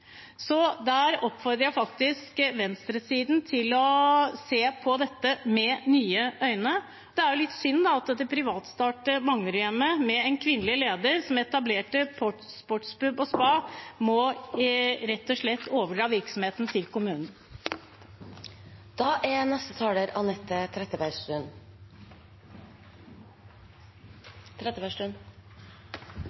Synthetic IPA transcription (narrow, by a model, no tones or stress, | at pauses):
sɔd̪æɾɔpfɔɾd̪ɾəjæfɑkt̪ɪskʋɛnst̪ɾəsiːd̪n̩t̪ʰɪlɔseːpʰɔd̪ɛt̪ːəmɛnyːəʔœʏnə | d̪ɛæɾjʊlɪt̪ːsʏnːd̪ɑɑt̪ːɛd̪ɛpʰɾɪʋɑːt̪st̪ɑːʈəmɑŋːəɾʏɛmːəmɛɛnkʰʋɪnːəlɪleːd̪əɾsɔmɛt̪ɑbleːʈəpʰɔʈ | spɔʈspʉbɔspɑːmɔ | ɾɛt̪ːɔʂɭɛt̪ːoːʋəɖɾɑːʋɪɾksɔmheːt̪n̩t̪ʰɪlkʊmʉːnn̩ | d̪̥ɑːʔænɛst̪ət̪ʰɑːləɾɑnɛt̪ʰːət̪ʰɾɛt̪ːəbæɪʂt̪ʉn | t̪ʰɾɛt̪ːəbæʂʉn